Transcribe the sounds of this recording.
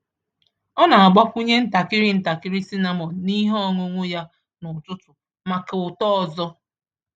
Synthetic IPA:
ɔ˦na˨a˨ɡ͡ba˦pu˦ɲe˦n̩˦ta˨kɪ˦ɾi˦n̩˦ta˨kɪ˦ɾi˦si˦na˦mɔ˨ni˦ɦɔ˦ŋo˦ŋʷo˦ja˦ | nʊ˨tʊ˦tʊ˨ | ma˨ke˨ʊ˨tɔ˦ɔ˨zɔ˦

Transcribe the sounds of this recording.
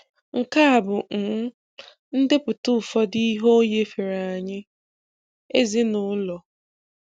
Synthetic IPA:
ŋ̩˨ka˦a˨bʊ˨ŋ̩˨ŋ̩˦ | n̩˦dɪ˦pʊ˨tʊ˦˨fɔ˦di˦ɦo˦ɲe˦fe˨ɾa˨a˨ɲɪ˦ | e˦zɪ˦nʊ˦lɔ˨

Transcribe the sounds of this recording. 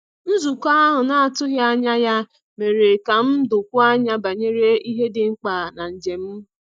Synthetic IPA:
n̩˦zu˨kʷa˦a˦ɦʊ˨na˦a˨tʊ˦ɦja˦ɲa˦ja˦ | me˨ɾe˨ka˨m̩˦dʊ˨kʷʊ˦a˦ɲa˦ba˨ɲe˦ɾe˦i˦ɦe˦dɪ˨ŋ͡m̩˦k͡pa˨na˨n̩˨d͡ʒe˨m̩˦

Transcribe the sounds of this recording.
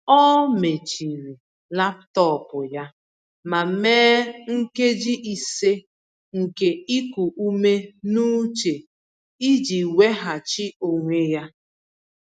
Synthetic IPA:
ɔ˦me˨t͡ʃi˨ɾi˨ | la˦ptɔ˦˨pʊ˨ja˦ | ma˨meː˦ŋ̩˦ke˦d͡ʒi˦ʔi˨se˦ | ŋ̩˨ke˨i˦ku˨ʔu˦me˦nu˦t͡ʃe˨ | i˦d͡ʒi˨we˦ɦa˨t͡ʃi˦o˨ŋʷe˦ja˦

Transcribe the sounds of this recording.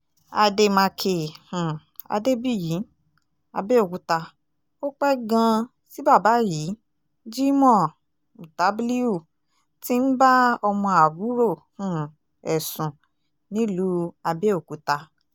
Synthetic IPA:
a˧de˧mã˧kʰe˧˨hũ˨ | a̰˧de˦bi˦˨ji˨˦ | a̰˧be˦o˦˨ku˨˦ta˧ | o˦k͡pɛ˦ɡã˧ | si˦ba˦˨ba˨˦ji˨˦ | d͡ʒi˦mɔ̃˦˨ | u˨ta˨˦bli˦u˦˨ | ti˦n̩˦ba˦ɔ˧mɔ̃˧a˨wu˨˦ɾo˦˨hũ˨ | ɛ˨sũ˨ | nĩ˦lu˨˦a˧be˦o˨ku˨˦ta˧

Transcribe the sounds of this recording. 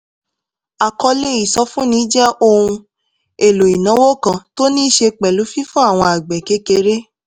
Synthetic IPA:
a˨kɔ˧le˦i˨sɔ˧˦fũ˦nĩ˨˦d͡ʒɛ˦ʔo˦˧hũ˧ | e˨lo˨i˨nã˨˦wo˦kã˨to˦nĩ˦ʃe˧k͡pɛ˨lu˨˦fi˦fɔ̃˦a˦˨w̃ɔ̃˧a˨ɡ͡bɛ˨ke˧˦ke˧ɾe˦

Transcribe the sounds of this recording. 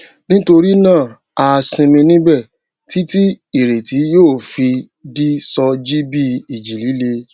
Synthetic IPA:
nĩ˦to˧ɾi˦nãː˦˨ | a˧sĩ˧mĩ˧nĩ˦bɛ˦˨ | ti˦ti˦i˦˨ɾe˨ti˨˦joː˦˨fi˧ | di˦sɔ˧d͡ʒi˦bi˦˨i˨d͡ʒi˨li˨˦le˧

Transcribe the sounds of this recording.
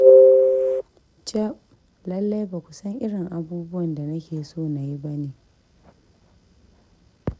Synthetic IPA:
t͡ʃa˦ʔ | lɐ˦lːa˦jbaː˨kʷu˨sɐ˦ŋʔɪ˦ɽɪ˨ŋʔa˨buː˦bʊ˦wɐ˨nda˨nɐ˦kʲeː˨soː˦˨na˨ji˦bɐ˦neː˨

